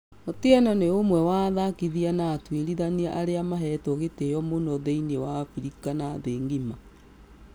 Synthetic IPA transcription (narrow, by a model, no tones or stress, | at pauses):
oteananeomwɛwaðakiðianaːtweɾiðaniaʔaɾeamaɦɛtɔɣetejɔmonɔðeinewafiɾikanaðeːŋɡima